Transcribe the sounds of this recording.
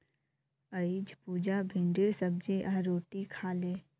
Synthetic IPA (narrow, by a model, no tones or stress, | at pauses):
əɪd͡ʒpuːd͡ʒabʱɪ̃ɳɖɪɾsəb̚d͡ʒeʔaːɾoːʈikʰaːleː